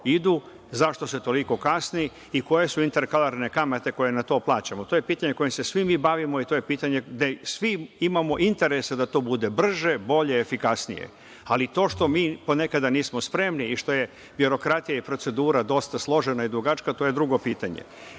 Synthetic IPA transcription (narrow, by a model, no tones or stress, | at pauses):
id̪u | zaʃt̪o̞set̪o̞liko̞kasni | iko̞je̞suint̪e̞ɾkalaɾne̞kamat̪e̞ko̞je̞nat̪o̞ːplˠaːt͡ɕamot̪ojepiːt̪aɲe̞ko̞jimse̞sʋimiːbaʋimo̞it̪ojepiːt̪aɲe̞d̪esʋiimamo̞ʔint̪e̞ɾesed̪at̪o̞ːbud̪e̞br̩ʒebo̞ʎe̞ːfikasnḭjḛ | alit̪o̞ːʃt̪o̞miːpo̞ne̞kad̪aniːsmospɾe̞mniiʃt̪o̞je̞ | bjoɾo̞kɾat̪ijaipɾo̞t̪se̞d̪uːɾad̪o̞st̪aslˠo̞ʒenaid̪ɾuɡat͡ʃkat̪oːje̞d̪ɾuɡo̞piːt̪aɲḛ